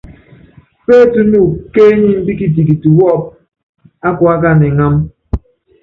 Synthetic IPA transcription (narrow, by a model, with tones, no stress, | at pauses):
pe˦tu˦nu˦˨ke˦ɲi˦m̩˦bi˦ki˦t̬i˨k̬i˨tu˨wɔ˦˨p̚ | a˦ku˨a˦ka˦˨ne˨ŋa˦m